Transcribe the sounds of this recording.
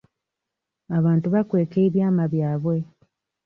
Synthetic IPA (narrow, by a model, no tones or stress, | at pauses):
aβaːntuβakwe̞ːke̞ːβjaːmaβjaːβwe̞